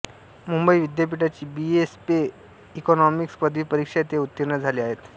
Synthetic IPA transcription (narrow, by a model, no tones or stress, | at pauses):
mumbəiʋid̪jap̬iʈat͡ɕiːbiespeː | kɔnɔmikspəd̪ʱʋiːpəɾikʂat̪eut̪ːiɾnəd͡zʱaliːaɦet̪